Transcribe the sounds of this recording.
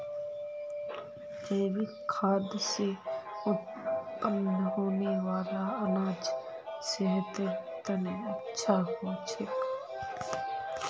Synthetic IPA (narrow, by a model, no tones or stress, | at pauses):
d͡ʒəːʋi | kʰaːd̪jseʊt̪̚ | pənɦoːneʋaːlaəlaːd͡ʒ | seɦət̪ət̪əneətːʃʰaɦot͡ʃʰək